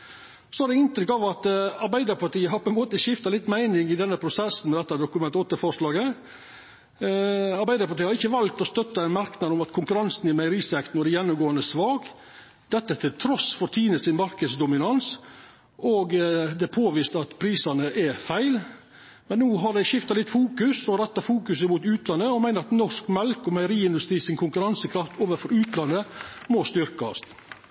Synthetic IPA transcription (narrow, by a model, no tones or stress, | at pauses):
sɔɑɾɖ̪ɛɪnt̪ɾʏkːɑʋɑt̪ɑɾbæɪd̪əɾpʰɑʈiːəɦɑɾpʰɔɛnmoːt̪əʃɪft̪ɑlɪt̪ːmæɪnɪŋɪd̪ɛnːəpʰɾʊsɛsn̩mɛd̪ɛt̪ːɑd̪ʊkʉmɛnt̪ɔt̪ːəfɔʂlɑːɡə | ɑɾbæɪd̪əɾpɑʈiːəhɑɾɪçːəʋɑlt̪ɔst̪œt̪ːəɛɪnmɑɾknɑd̪ɔmɑt̪kʰʊŋkʉɾɑnsn̩ɪmæɪɾiːsɛkt̪n̩ɔd̪ɛjɛnːʊmɡoːənd̪əsʋɑːɡ | d̪̥ɛt̪ːət̪ʰɪlt̪ʰɾɔsfɔɾt̪ʰiːnəsɪnmɑɾkəd̪sd̪ʊmɪnɑns | ʔɔɡd̪ɛpʰoːʋiːst̪əɑt̪pʰɾiːsɑnəʔɛfæɪl | mɛnːuːɦɑɖæɪʃɪft̪ɑlɪt̪ːfuːkʉsɔɾɛt̪ːɑfuːkʉsəmuːt̪ʉːt̪lɑnːəɔmæɪnəɾɑt̪nɔʂkmɛlkɔmæɪəɾiːɪnd̪ʉst̪ɾiːsɪŋkʰʊŋkʉɾɑnsəkʰɾɑft̪ʰoːʋəɾfɔɾʉːt̪lɑnːəmɔst̪ʏɾkɑst̪